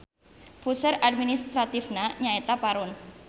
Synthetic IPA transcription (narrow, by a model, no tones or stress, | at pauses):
pusəɾad̚minist̪ɾat̪ifnaɲaet̪apaɾʊn